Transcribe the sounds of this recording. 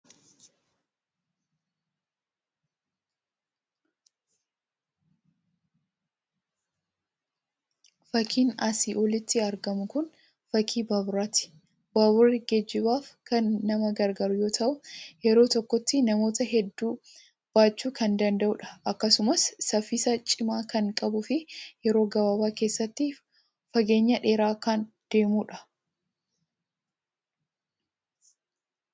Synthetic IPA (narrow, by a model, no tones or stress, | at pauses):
fɐkʰiːnɐsiʔɔlɪt̪ːɪɐɾɡɐmʊkʊn | fɐkʰiːbaːbʊɾaːt̪ɪ̥ | babʊrːɪɡɛd͡ʒːɪbaːfkɐnːɐmɐɡɐɾɡɐɾʊjo̞ːt̪ʰɐʔʊjɛɾo̞ːt̪ɔkːɔt̪ːɪnɐmo̞ːt̪ɐɦɛd̪ːuː | b̥aːt͡ʃːuːkɐnd̪ɐnd̪ɐʔʊᶑɐ̥ʔɐkːɐsʊmɐsːɐfɪsɐt͡ʃʼɪmaːkɐŋkʼɐbʊfɪjɛɾo̞ːɡɐbaːbaːke̞ːsːɐt̪ːɪ | fɐɡe̞ːɲːɐᶑe̞ːɾaːkan | d̪̥e̞ːmuːᶑɐ̥